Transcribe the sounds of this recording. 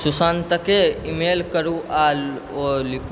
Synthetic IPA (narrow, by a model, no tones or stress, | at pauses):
susant̪əkeimelkəɾuʔa | olikʰ